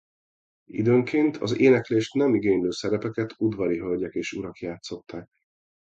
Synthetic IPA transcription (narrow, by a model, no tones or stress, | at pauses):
ḭd̪øːŋkeːnt̪ʰɒ̰zeːnɛkleːʃt̪nɛmiɡeːɲløːsɛɾɛpɛkɛt̪ʰud̪vɒɾiɦølɟɛkeːʃuɾɒkjaːt̪so̞t̪ːaːk̚